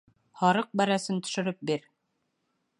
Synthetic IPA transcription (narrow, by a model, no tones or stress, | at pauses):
hɑɾɤq̚bæɾæsɘnt̪ɵ̥̆ʃɘ̆ɾɘp̚biɾ